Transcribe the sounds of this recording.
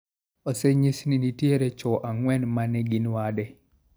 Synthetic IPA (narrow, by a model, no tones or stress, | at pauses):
oseɲisninitjeɾet͡ʃɔʔaŋwɛnmanɛɡinwadɛ